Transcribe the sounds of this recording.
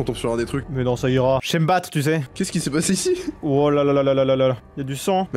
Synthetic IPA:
ɔ̃t̪ɔ̃psyʁɛ̃d̪et̪χykʲmɛnɔ̃saiʁaʒ̥ɛməbat̪χt̪ys̬ɛkʲɛskʲisɛpaseisiwalalalalalalalaailjad̪ysɑ̃m

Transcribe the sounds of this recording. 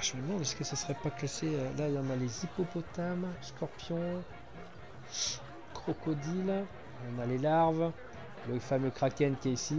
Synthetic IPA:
ʒəməmɑ̃d̪ɛskəsəsəʁɛpakaʃeølailɑ̃nalezipɔpɔt̪amskɔʁpjɔ̃ | kχɔkɔd̪il | lɑ̃nalelaʁv | ləfamøkχakʲɛnkʲɛisi

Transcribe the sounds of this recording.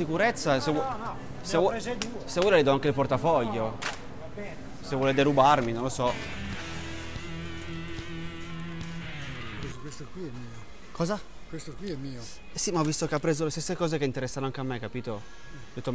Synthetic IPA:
ikuɾet̪sːase | sevɔsevwulalid̪ɔaŋkeilport̪afɔʎːo | sevwɔːled̪eɾubarminõnlosɔ | kwest̪kwiɛmːiːo | kʰɔːza | kwest̪okwiɛmːiːo | simaɔvːist̪okeapːɾeːzolest̪esːekɔːzekeint̪eɾɛsːanoaŋk̟eamːekːapiːt̪o | d̪et̪ːo

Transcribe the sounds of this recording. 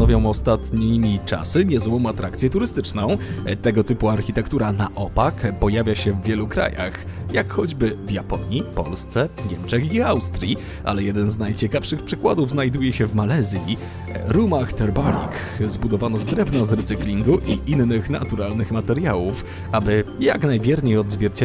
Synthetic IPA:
nɔvjɔ̃w̃ɔst̪at̪ɲiit͡ʂa̰sɘɲɛzwɔ̃w̃at̪ɾʔak̚t̪sʲjɛt̪uɾɘst̪ɘt͡ʂnɔ̃w̃t̪ɛɡɔt̪ɘpuaɾxʲit̪ɛkt̪uɾanaʔɔpakpɔjavʲjaɕɛvʲːjɛlukɾa̰ja̰xjakxɔd͡ʑbɘvjapɔ̰ɲipɔ̰lst̪sɛvɲɛmt͡ʂɛxiawst̪ɾʲji | ʔa̰lɛjɛd̪ɛnznajt͡ɕɛkafʂɘxpʂɘkwad̪uvznajd̪ujɛɕɛvmalɛzʲji | ɾumaxt̪ɛɾbalʲḭkzbud̪ɔvanɔzd̪ɾɛvnɔzɾɛt̪sɘklʲiŋɡuʔiʔinːɘxna̰t̪uɾalnɘxmat̪ɛɾjawuf | abɘja̰knajvʲjɛɾɲejɔd̪zvʲjɛɾt͡ɕɛ

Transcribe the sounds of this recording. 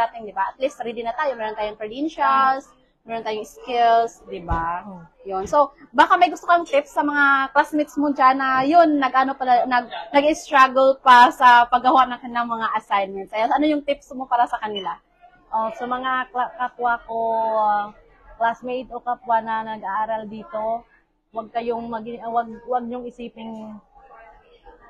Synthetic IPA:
aːt̪ɪŋd̪ɪbaʔɐt̪list̪ɾiːd̪ɪnɐt̪aːjomɛːɾont̪aːjʊŋpɾovinʃals | mɛːɾont̪aːjʊŋskɪlsd̪ɪba | jonsobaːkamɐjɡʊst̪okaŋt̪ɪpsːɐmɐŋaklasmɪt̪smod͡ʒanɐjonːɐɡʔanopɐlanɐɡ̚nɐɡɪst̪ɾaɡɛlpasɐpɐɡɐwaʔnɐŋkɐnɪlaŋmɐŋaʔɐsajnmɛnt̪sʔɐjasɐnojʊŋt̪ɪpsmo̞paːɾɐsɐkɐnɪla | ʔosɐmɐŋakakapwakoa | klasmejd̪okapwanɐnɐɡaʔaːɾɐld̪iːt̪o̞ | wɐɡ̚kɐjoŋmɐɡɪwaɡ̚wɐɡ̚ɲʊŋɪsiːpɪŋ

